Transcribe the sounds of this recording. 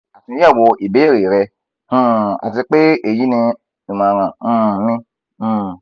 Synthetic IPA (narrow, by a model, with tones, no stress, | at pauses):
a˨ti˧˦a˦˨wɔ˧ʔi˨be˨˦˨ɾe˨ɾɛ˧ | ũ˦˨a̰˨t̬i˧k͡pe˦e˦˨ji˨˦nĩ˧ | ĩ˨mã˨˧ɾã˧˦˨mĩ˦˨